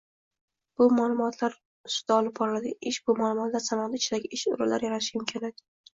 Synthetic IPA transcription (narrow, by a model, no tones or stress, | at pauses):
b̥ʊmalˠʊmɒt̪ʰlaɾ | ʊsʊ̥t̪aɒlˠɪb̚bɒɾlad̪ɪʔɪʃb̥ʊmalˠʊmɒt̪laɾsanɒd̪at͡ʃʰɪd̪aɡʲɪɪʃʊ̰ɾala̰ɾjaɾaɪʃjʊmkʲʰanad̪ɪ